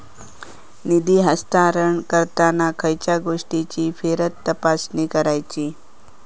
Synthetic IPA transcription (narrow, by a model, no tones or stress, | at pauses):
nid̪iːɦəst̪aɾəɳkəɾt̪anakʰəjt͡ɕaɡoʂʈit͡ɕiːfeɾət̪ːəpasniːkəɾajt͡ɕiː